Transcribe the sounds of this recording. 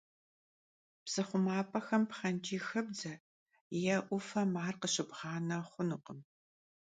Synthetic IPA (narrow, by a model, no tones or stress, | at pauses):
psɨχʷʊmaːpʰʼɐxɐmpχɐnt͡ʃʼiːxɐbd͡zɐ | jɐʔʷʊfɐmaːrqəɕɪbʁɑːnɐχʷʊnɨqəm